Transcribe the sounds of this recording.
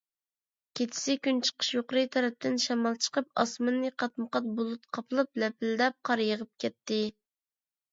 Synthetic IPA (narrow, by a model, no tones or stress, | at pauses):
kʲʰet̪ʰɪ̥sɪkʲynt͡ʃʰə̥qʰə̥ʃjoqɾɨjt̪ʰɑɾɛp̚t̪ʰɪnʃɑmɑlˠt͡ʃʰə̥qəp̚ɑ̰smɨnːɨqʰɑt̪məqɑt̪̚bolˠut̪qʰɑpʰɨlˠɨplɛpɪld̪ɛp̚qʰɑɾjəʁəp̚kʲɛt̪ːɪ